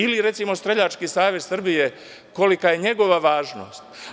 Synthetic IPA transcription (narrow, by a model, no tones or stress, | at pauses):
iliɾe̞t̪simo̞st̪ɾeʎat͡ʃkisaːʋezsr̩bije̞ | ko̞likaje̞ɲe̞ɡo̞ʋaʋaːʒno̞̰st̪